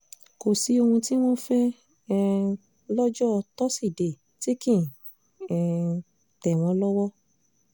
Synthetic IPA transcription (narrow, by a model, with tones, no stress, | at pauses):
ko˨si˨˦o˧hũ˧ti˦w̃ɔ̃˦fɛ˦ | lɔ˦d͡ʒɔ˦˧tɔ˦si˦˨de˨ | ti˦kĩ˦˨ | ɛ˨ | tɛ˨w̃ɔ̃˧˦lɔ˦wɔ˦